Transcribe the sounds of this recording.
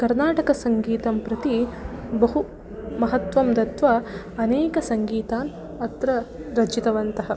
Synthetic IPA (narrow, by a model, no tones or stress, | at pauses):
kɐɾnaːʈɐkɐsɐŋɡiːt̪ɐmpɾɐt̪ibɐɦu | mɐɦɐt̪ʋɐmd̪ɐt̪ʋɐ | ɐneːkɐsɐŋɡiːt̪aːn | ɐt̪ɾɐɾɐd͡ʒit̪ɐʋɐnt̪ɐɦɐ